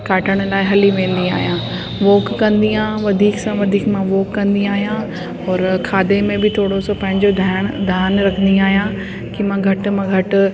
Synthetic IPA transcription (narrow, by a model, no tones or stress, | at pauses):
kaːʈəɽ̃ʊlaːɪɦɐliʋẽːnd̪ia̰ːɦijãː | ʋoːkːɐ̃nd̪iãʋɐd̪ʱiːksãʋɐd̪ʱiːkmãʋoːkːɐ̃nd̪iaːɦijã | ɔːɾkʰaːd̪emẽbɪt̪ʰoːɽosopɐ̃ɦɪ̃ɲd͡ʑod̪ʱaɽ̃d̪ʱaːnɾɐkʰənd̪ĩaːɦijã | kimãɡʱɐʈmãɡʱɐʈʊ̆